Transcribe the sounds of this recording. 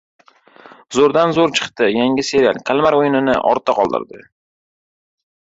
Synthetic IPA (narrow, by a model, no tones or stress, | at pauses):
zoɾd̪anzoɾt͡ʃʰɨ̥qt̪ɪjaŋʲɪse̞ɾʲialkʲʰalˠmaɾojɪnɪnɪ̰ʔɒ̰ɾt̪ʰaqʰɒlˠd̪ɪ̰ɾd̪ɪ